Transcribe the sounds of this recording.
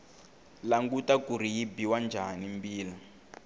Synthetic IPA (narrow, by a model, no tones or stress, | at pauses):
laŋɡutakuɾijibiwand͡ʒʱanimbiːla